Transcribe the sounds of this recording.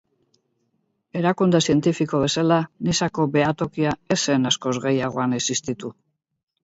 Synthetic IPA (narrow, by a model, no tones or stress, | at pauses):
e̞ɾakund̪esie̞nt̪ifiko̞β̞e̞salanisako̞be̞at̪o̞kiae̞se̞nasko̞zɣe̞jaɣ̞o̞anesist̪it̪u